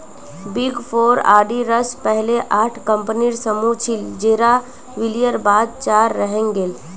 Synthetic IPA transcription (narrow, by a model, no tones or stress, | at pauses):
biɡpʰoːɾa̰ːɖiɾəspɛɦleʔaːʈʰkə̃mpniɾsəmut͡ʃʰild͡ʒeːɾa | ʋɪlijəɾbaːd̪̚t͡ʃaːɾːəɦẽŋɡeːl